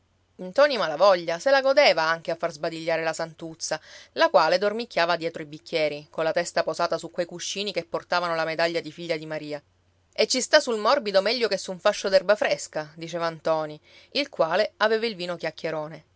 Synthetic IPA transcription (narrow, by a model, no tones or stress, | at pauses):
int̪ɔːnimalavɔʎːaselaɡod̪eːvaaŋk̟eafːarzbad̪iʎːaːɾelasant̪ut̪sːalakwaːled̪ormikʲːjaːvad̪jɛːt̪ɾoibikːjɛːɾikonlat̪ɛst̪apozaːt̪asukwejkuʃːiːnikepːort̪aːvanolamed̪aʎːad̪ifiʎːad̪imaɾiːa | et͡ʃːist̪asulmɔrbid̪omɛʎːokesːuɱfaʃːod̪ɛrbafɾɛskad̪it͡ʃɛːvant̪ɔːni | ilkwaːleaveːvailviːnokjakːjeɾoːne